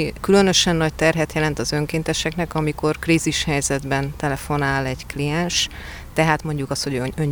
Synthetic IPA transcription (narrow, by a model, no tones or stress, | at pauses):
kylø̞nø̞ʃɛnːɒct̪ɛrɦɛt̪jɛlɛn̪t̪ɒzø̞ŋkeːnt̪ɛʃɛknɛkɒmiko̞rkriziʃhɛjzɛd̪bɛnt̪ɛlɛfo̞naːlɛɟklijɛnʃ | t̪ɛɦaːt̪mo̞ɲɟukɒst̪ho̞ɟøɲ